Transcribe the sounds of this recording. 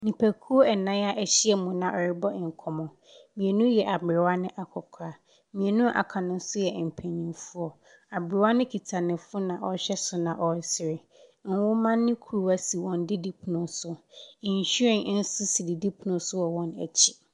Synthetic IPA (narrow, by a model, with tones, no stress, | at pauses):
nĩ˨pʰæ˨kʰu˦o˦ɛ˨nã˦a˦ʔɛ˨ɕi˦ɛ˨mũ˨nã˨ʔɔ˨ɾɪ˦bɔ˦˨ŋ̩˨kʰɔ˨mɔ̃˨ | mĩ˨e˨nũ˦jɛ˨ʔa˨bɾɪ˨wa˦nɪ̃˦ʔa˨kʰɔ˨kʰaː˨˦ | mĩ˨e˨nũ˦ʔa̰˨kʰa˨nʊ̃˦n̩˦sʊ˦jɛ˨m̩˨pʰɛ̃˨ɲĩ˨fu˦ɔ˨ | a˨bɪ˨ɾɪ˨wa˦nɪ̃˦kʰi˨tʰa˨nɪ̃˨fʊ˦nã˨ʔɔ˨ɕɛ˦sʊ˨nã˨ʔɔ˨˦sɪ˨ɾɪ˨˦ | n̩˦wʊ˦mã˦nːɪ̃˦kʰu˨ɾu˨wa˦si˨wɔ̃˨n˦dɪ˦di˦pʰu˨nʊ̃˨n˦sʊ˦ĩ˨n˨ɕu˦ɛ̃˨n˦n̩˦sʊ˦si˨di˨di˦pʰu˨nʊ̃˨sʊ˦wɔ˨wɔ̃˦næ̰˨t͡ɕʰi̥˦